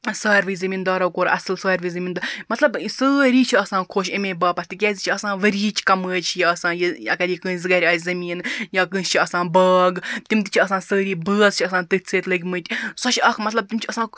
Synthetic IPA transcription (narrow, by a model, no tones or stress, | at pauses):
saːɾʋɨːzɐmʲiːnd̪ɐːɾɐwkoːɾʔɐ̰sɨlsaːɾʋɨjzɐmʲiːnd̪ɨmɐt̪lɐbsəːɾiːt͡ʃʰiɐsãːnkʰoːʃemẽːbɐːpɐst̪ikʲɛːzʲit͡ʃʰiɐsãːʋɐɾʲiːt͡ʃʰkɐmɨːt͡ʃʰijiɐsãːjiɐkaɾʲikɨ̃ːsʲzɨɡaːɾʲaːsʲzɐmiːnjakɨ̃ːst͡ʃʰiɐsãːbɐːɡt̪imt̪t͡ʃʰiɐsãːnsəːɾiːbɨːzt͡ʃʰiɐsãːnt̪ɨt͡sʰeːt̪lɨkʲmɨt̪ʲsɔʃɐkmɐt̪lɐb̚t̪imt͡ʃʰiɐsãː